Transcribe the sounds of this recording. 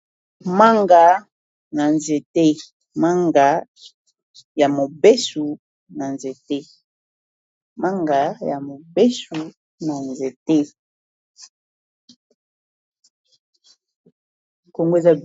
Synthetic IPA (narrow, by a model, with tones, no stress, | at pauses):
ma˦ŋɡa˨ | na˨nze˨te˦ | ma˦ŋɡa˨˦ | ja˨mo˨be˦su˨ | na˨nze˨te˦ | ma˦ŋɡa˨˦ja˨mo˨be˦su˨ | na˨nze˨te˦ | ko˦ŋɡo˦e˨za˦